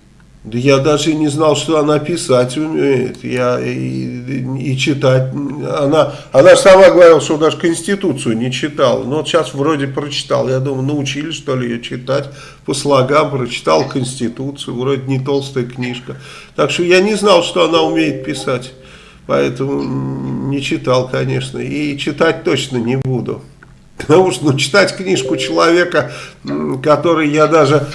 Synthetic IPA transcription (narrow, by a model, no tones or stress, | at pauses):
d̪əjad̪aʐɨɪnʲɪznɑlˠʂt̪o̞ɐnapʲɪsatʲʊmʲejɪ̰t̪ja̰ | it͡ɕɪt̪atʲana | ɐnasɐmaɡəvɐɾʲilˠʂt̪od̪aʐəkənsʲtʲɪt̪ut̪sɨjʊnʲɪt͡ɕɪt̪alˠə̰noot̪ɕasvɾo̞dʲɪpɾət͡ɕɪ̥t̪a̰lˠjad̪uməjʊnəʊt͡ɕilʲɪsʂt̪olʲɪjɪjot͡ɕɪt̪atʲ | pəslˠɐɡampɾət͡ɕɪ̥t̪alˠkənʲsʲtʲɪt̪ut̪sɨjʊvɾo̞dʲɪnʲɪt̪o̞lˠst̪əjəknʲiʂkət̪akʂt̪ojanʲɪznɑlˠʂt̪o̞ɐnaʊmʲejɪt̪̚pʲɪsatʲ | pɐɛt̪əmʊnʲɪt͡ɕɪt̪ɑlˠkɐnʲe̞ʂnə̰it͡ɕɪt̪at̚ʲt̪o̞t͡ɕnənʲɪbud̪ʊ̰ | pət̪ɐmuʂt̪nut͡ɕɪ̥t̪atʲknʲiʂkʊt͡ɕɪlˠɐvʲe̞kə | kɐt̪o̞ɾɨjjad̪aʐɨ